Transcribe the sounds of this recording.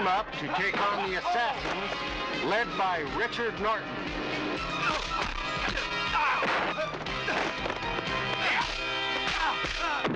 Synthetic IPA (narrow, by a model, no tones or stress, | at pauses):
mʌp̚tʰɨtʰeɪkn̩ðiɨsæsɨ̃nz̥ | lɛd̚baɪɹɪt͡ʃə˞dⁿnɔɹʔn̩